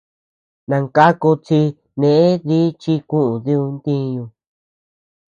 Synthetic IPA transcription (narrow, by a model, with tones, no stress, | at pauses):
nã˧ŋka˦ku˧t͡si˧ | nẽ˨ʔe˦ði˦t͡ʃi˦kũ˦ʔũ˨ði˦u˧nt̪ĩ˦ɲũ˧